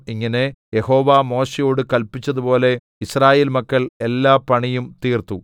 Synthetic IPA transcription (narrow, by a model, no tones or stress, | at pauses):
iŋːɐnejeho̞ːʋaːmo̞ːʂejo̞ːɽɨkɐlpit͡ɕːɐðupo̞ːle̞ | israːje̞ːlmɐkːɐɭelːaːpɐɳijumt̪iːrt̪u